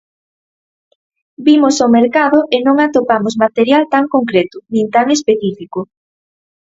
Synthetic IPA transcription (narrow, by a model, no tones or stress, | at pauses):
bimosomeɾkaðoʔenõŋat̪opamosmat̪eɾjalt̪aŋkoŋkɾet̪ʊnĩnt̪aŋespeθifiko